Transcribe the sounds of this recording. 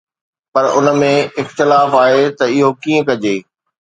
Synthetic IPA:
pɐɾʊnə̆mẽɪxt̪ɪlaːfaːɦet̪ɐɪɦokiːə̃kɐd͡ʑeː

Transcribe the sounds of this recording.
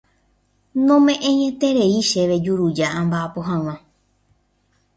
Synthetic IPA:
nõmẽ̞ʔẽɲẽ̞t̪e̞ɾe̞iʃe̞ʋe̞d͡ʒuɾud͡ʒaãmbaapoɦãw̃ã

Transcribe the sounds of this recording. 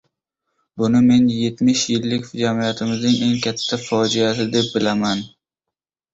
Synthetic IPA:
bʊnɪme̞nje̞t̪mɪʃjɪlːɪkʲd͡ʒamijat̪ʰɪmɪznɪŋe̞ŋkʲʰat̪ʰːafɒd͡ʒijasɪd̪e̞p̚bɪlaman

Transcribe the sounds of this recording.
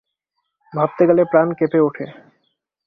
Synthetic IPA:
bʱap̚t̪eɡɛlepɾankepeoʈʰḛ

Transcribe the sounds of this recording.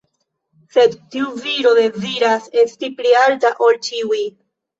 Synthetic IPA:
se̞dtiuviɾo̞de̞ziɾase̞stiplialtaʔo̞lt͡ʃiuj

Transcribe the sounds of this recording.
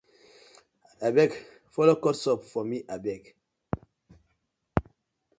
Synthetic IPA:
abɛk | fɔlokɔtsɔpfɔmiʔabɛk

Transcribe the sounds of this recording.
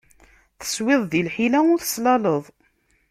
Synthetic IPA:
θə̥swɪðˤðilħilæʊθə̥slɑləðˤ

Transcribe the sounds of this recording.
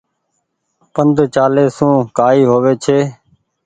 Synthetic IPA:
pənd̪ʱt͡ʃaːleːsũːkaːiːɦoːʋeːt͡ʃʰeː

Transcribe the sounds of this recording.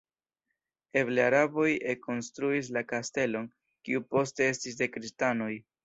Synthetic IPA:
e̞bleaɾabo̞je̞ko̞nstɾuis̬lakaste̞lo̞n | kḭupo̞ste̞e̞stis̬de̞kɾistano̞j

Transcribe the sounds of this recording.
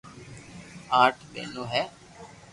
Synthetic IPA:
aːʈʰɓḛːnũːɦɛː

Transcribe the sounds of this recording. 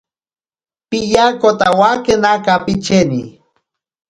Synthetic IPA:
pijakot̪awakɨnakapit͡ʃeni

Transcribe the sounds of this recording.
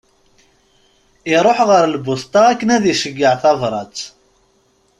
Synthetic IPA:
iɾˤoħʁəɾlbʊθt̪ˤɑækːənæðiʃəɡːəʕθɑðˤɾˤɑt͡s

